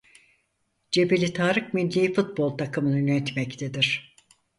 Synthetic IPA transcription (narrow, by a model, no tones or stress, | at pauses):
d͡ʒebelʲit̪ʰaːɾɯkminlːʲiːifut̪̚bo̞lˠt̪ʰakʰɯmɯnynɛt̪mɛct̪ʰed̪iɾ̥